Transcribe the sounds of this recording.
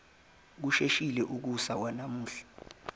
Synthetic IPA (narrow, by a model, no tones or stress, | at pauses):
k̬uʃeʃilɛʔuk̬usak̬wanamuːɬḁ